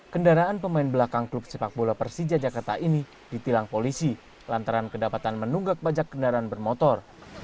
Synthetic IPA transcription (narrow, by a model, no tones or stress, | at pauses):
kəndaɾaanpəmaɪnbəlakaŋklup̚səpak̚bolapərsid͡ʒad͡ʒakart̪aʔini | dit̪ilaŋpolisi | lant̪aɾankədapat̪anmənuŋɡak̚bad͡ʒakːəndaɾaanbərmɔt̪ɔr